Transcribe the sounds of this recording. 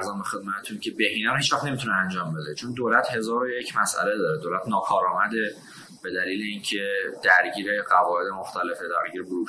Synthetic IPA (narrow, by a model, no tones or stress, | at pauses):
æɾzæmbexed̪̚mæt̪et̪ʰuncʰe̞be̞hiːnæɾhiːt͡ʃʋæχne̞mit̪ʰuneænd͡ʒɒːmbe̞d̪et͡ʃʰond̪oːlæt̪ʰhe̞zɒːvejecʰmæsʔæ̰le̞d̪ɒːɾed̪oːlæt̪ʰnɒːkʰɒːɾɒːmæd̪e | b̥e̞d̪æliːleiːncʰed̪̥æɾɟiːɾeɢævɒːe̞d̪emoxt̪ʰæle̞fed̪æɾɟiːɾebuu